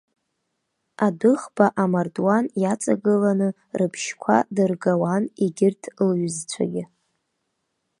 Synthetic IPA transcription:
adɨχbaʔamardwanjat͡sʼaɡɨlanɨ | rɨpʰʃkʷʰa̰dɨrɡawaniɡʲɪrtʰlɥzt͡ɕʷʰa̰ɡʲɪ

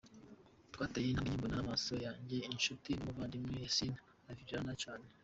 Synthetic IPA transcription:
twatajinamɲimbunamasojaːɲɟeinʃutimuvaːndimwejesina | aviɾiɾanat͡ʃaːne

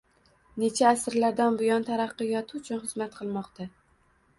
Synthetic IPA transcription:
ne̞t͡ʃʰaːsɾlaɾd̪anbʊjɒnt̪ʰaɾaqːɨjɒt̪ʰɪʊt͡ʃʰʊnχɨzmat̪̚qʰɨlˠmɒqt̪ʰa

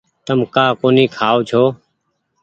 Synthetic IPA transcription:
t̪əmkaːkoːniːkʰaːoːt͡ʃʰoː

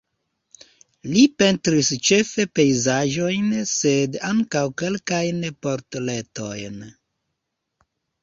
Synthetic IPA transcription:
lipe̞ntɾist͡ʃe̞fe̞pe̞jzaʒo̞jnse̞daŋkawke̞lkajnpo̞ɾtle̞to̞jn

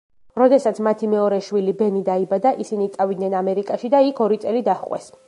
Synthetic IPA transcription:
ɾɔd̪ɛsat̪sʰmat̪ʰimɛɔɾɛʃwilibɛnid̪aibad̪aʔisinit̪sʼavid̪nɛnamɛɾikʼaʃid̪aikʰɔɾit̪sʼɛlid̪aχqʼwɛ̰s

